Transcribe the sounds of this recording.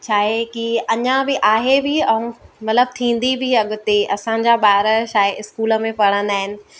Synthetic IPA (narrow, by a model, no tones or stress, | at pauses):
t͡ɕʰaːɦekiɐɲãbɪʔaːɦebʱɪɛ̃ũmɐt̪ləb̚t̪ʰĩːn̆d̪ibʱɪɐɠʊt̪eʔɐsãɲd͡ʑaɓaːɾəʃaːɦeɪskuːlə̆mẽpɐɽ̤ə̃nd̪aːɦɪnɪ̆